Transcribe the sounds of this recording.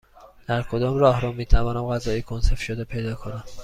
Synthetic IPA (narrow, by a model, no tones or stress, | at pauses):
d̪̥æɾkʰo̞d̪ɒːmɾɒːhɾɒmiːt̪ʰævɒːnæmɣæzɒːjikʰonse̞fʃod̪epʰe̞jd̪ɒːkʰonæm